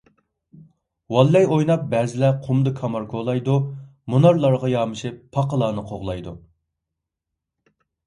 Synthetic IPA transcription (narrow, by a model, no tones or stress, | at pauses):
wɑlːɛjojnɑp̚bɛːzɪlɛqʰumd̪ɨkʰɑmɑɾkʰolˠɑjd̪umunɑɾlˠɑɾʁɑjɑːmɨʃipʰːɑqəlˠɑːnɨqʰoʁlˠɑjd̪u